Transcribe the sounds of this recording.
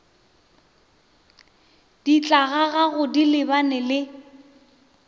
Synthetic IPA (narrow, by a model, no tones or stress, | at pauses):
d̥it͡ɬʼaɣaɣaɣʊdilɪbanɪlɪ